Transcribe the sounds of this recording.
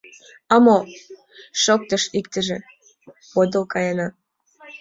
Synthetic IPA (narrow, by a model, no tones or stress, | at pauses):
ɑmo | ʃok̚t̪ɤ̆ʃikt̪ə̆ʒĕ | od̪ɤ̆lkɑjɑnɑ